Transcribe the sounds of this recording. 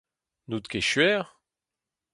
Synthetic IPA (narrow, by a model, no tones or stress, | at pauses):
nut̪keʃɥɛːʁ